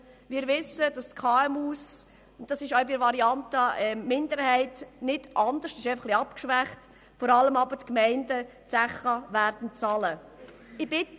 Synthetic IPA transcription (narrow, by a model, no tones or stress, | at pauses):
ʋɪːɾvɪsəd̥ɑstkʰɑːɛmuːs | ʊntd̥ɑsɪʃœʊbiɾvɑɾiɑntɑɛmɪndəɾhɛɪtnɪd̥ʔɑndəʃtɪʃɛɪfəχliɑpkʃʋæχt | fɔɾɑləmɑbəɾtkmɛɪndə | t͡sæχəvæɾd̥n̩t͡sɑlə | ɪb̥ɪt